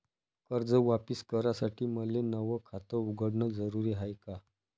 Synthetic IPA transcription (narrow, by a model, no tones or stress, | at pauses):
kəɾd͡zəʋapiskəɾasaʈʰiːməlenəʋəkʰat̪əuɡəɽɳəd͡zəɾuɾiɦajka